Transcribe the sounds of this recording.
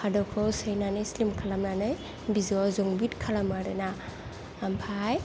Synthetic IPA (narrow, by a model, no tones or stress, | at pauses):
pʰadɔkʰɯwsɯjnanɯjslimkʰalamnanɯj | bizazuŋbitkʰalamaɾɯnaː | mpʰaj